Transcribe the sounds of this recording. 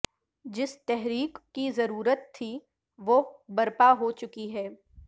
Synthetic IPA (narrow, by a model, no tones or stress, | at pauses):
d͡ʒɪst̪ɛɦɾiːkkizɐɾuːɾət̪ʰːi | ʋobɐɾpaɦot͡ʃʊkiɦɛː